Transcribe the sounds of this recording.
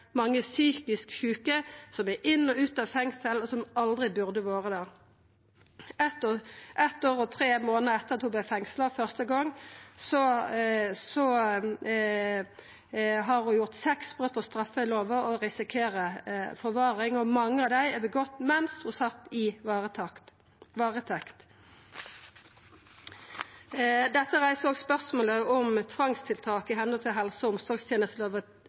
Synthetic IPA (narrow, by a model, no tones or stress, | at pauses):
mɑŋːəsyːkɪskʃʉːkəsɔmæɾʔɪnːɔʉːt̪ɑʋfɛŋsəlɔsɔmɑld̪ʁɪbʉʁd̪əʋoːʁəd̪æʁ | ɛt̪ʔɛt̪oːʁɔt̪ʰɾeːmoːnəɛt̪ːəʁɑt̪hʊblɛfɛŋsləfœʁst̪əɡɔŋːsɔ | sɔ | ɦɑɾhʊjʊʁt̪sɛksb̥ʁød̪̚pʰɔst̪ʁɑfəloːʋəɔʁɪsɪkʰeːɾəfɔʁʋɑːʁɪŋɔmɑŋːəɑʋd̪æɪɛbəɡɔt̪ːmɛnshʊsɑt̪ːɪ | ʋɑːʁət̪ʰɛkt̪ | d̪ɛt̪ːəʁæɪsoːɡspœʁsmoːləɔmt̪ʰʋɑŋst̪ʰɪlt̪ʰɑːkɪɦɛnɔlt̪ɪlɦɛlsɔʊmsɔʁɡst̪jeːnəst̪loːʋə